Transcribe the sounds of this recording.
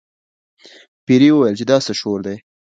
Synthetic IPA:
piɾiwəwajəlt͡ʃed̪ɑsəʃoɾd̪ej

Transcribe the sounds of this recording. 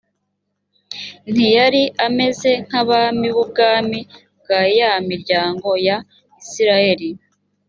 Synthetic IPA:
n̥ijaɾiʔame̞ze̞ŋ̥haβamiβub̚ɡaːmib̚ɡ̥aːjamiɾɟaːŋɡo̞ja | isiɾaje̞ɾi

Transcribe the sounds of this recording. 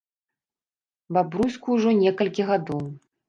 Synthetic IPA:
babɾusʲkuːʐɔnʲɛkɐlʲkʲiɣad̪ɔw

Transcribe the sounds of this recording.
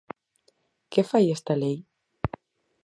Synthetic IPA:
kefajest̪alej

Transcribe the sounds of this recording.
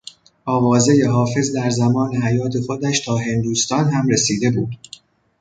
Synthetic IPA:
ʔɒːvɒːze̞je̞ɦɒːfe̞zd̪æɾzæmɒːne̞ɦæjɒːt̪ʰe̞xo̞d̪æʃt̪ʰɒːɦe̞nd̪uːst̪ɒːnɦæmɾe̞siːd̪e̞buːd̪̥

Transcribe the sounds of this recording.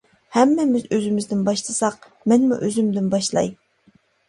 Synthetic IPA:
hɛmːɛmɪzøzɪmɪzd̪ɪnbɑʃt̪ʰɨsɑq | mɛnmṵʔøzymd̪ɪnbɑʃlˠɑ̰j

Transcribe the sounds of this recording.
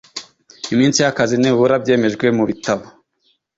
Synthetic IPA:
imiːnsijakazineβuɾabɟe̞ːme̞ʒɡwe̞muβitaβo

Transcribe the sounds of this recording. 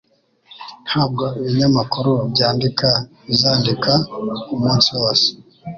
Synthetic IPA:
n̥haːb̚ɡoiβiɲamakuɾobɟaːndikaβizaːndikaumuːnsiwoːse̥

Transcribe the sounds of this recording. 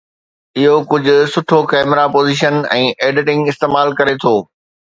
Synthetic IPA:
ɪɦokʊd͡ʑʱʊ̆sʊʈʰokɛːmɾapoːziːʃənɛ̃ːʔeːɖɪʈɪ̃ŋɡɪst̪eːmaːlkɐɾet̪ʰoː

